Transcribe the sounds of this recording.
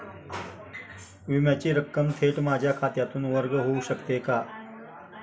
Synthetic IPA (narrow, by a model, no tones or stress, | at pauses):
ʋimjat͡ɕiːɾəkːəmt̪ʰeʈmad͡ʑʱjakʰat̪jat̪uːnʋəɾɡɦouɕəkt̪eka